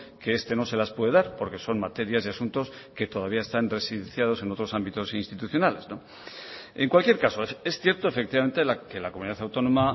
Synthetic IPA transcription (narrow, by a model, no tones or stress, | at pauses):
keest̪e̞no̞se̞laspwe̞ð̞e̞ðaɾpo̞ɾke̞so̞nmat̪e̞ɾjazðeasunt̪o̞ske̞t̪o̞ðaβ̞iae̞st̪anre̞siðenθjað̞o̞se̞no̞t̪ɾo̞sambit̪o̞sinst̪it̪uθjo̞nale̞zno̞ | e̞ŋkwalkje̞ɾkasoesθje̞ɾt̪o̞efe̞k̚t̪iβament̪elake̞lakomuniðaθawt̪o̞no̞ma